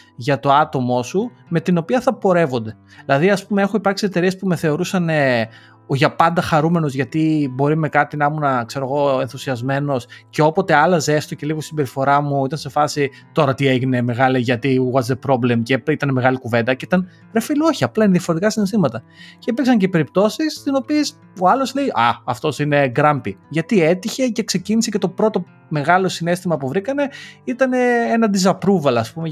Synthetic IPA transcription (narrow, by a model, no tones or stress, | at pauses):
ʝɐt̪o̞ɐt̪o̞mo̞su | me̞t̪ino̞piɐθɐpo̞ɾe̞vo̞nd̪e̞ | ilɐðiɐspume̞e̞xoipɐɾksie̞t̪e̞ɾie̞spume̞θe̞o̞ɾusɐne | oʝɐpɐnd̪ɐxɐɾume̞no̞zʝɐt̪ibo̞ɾime̞kɐt̪inɐmunɐkse̞ɾo̞ɣo̞enθusiɐzme̞no̞sce̞o̞po̞t̪e̞ɐlɐzest̪oce̞liɣosisibe̞ɾifo̞ɾɐmuit̪ɐnse̞fɐsi | t̪o̞ɾɐt̪ieʝine̞me̞ɣɐliʝɐt̪iuɣɐzepɾo̞ble̞mceit̪ɐneme̞ɣɐlikuve̞nd̪ɐceit̪ɐn | ɾefiloçiɐplɐineðiɐfoɾet̪ikɐsinest̪imɐt̪ɐ | ceepiksɐɲce̞pe̞ɾip̚t̪o̞sist̪ino̞pies | o̞ɐlo̞sleiʔɐɐft̪o̞sine̞ɡɾɐmbiʝɐt̪ie̞t̪içe̞ce̞kse̞cinisecet̪o̞pɾo̞t̪o̞ | me̞ɣɐlo̞sine̞st̪imɐpuvɾikɐne̞it̪ɐne̞enɐd̪izɐpɾuvɐlɐspume̞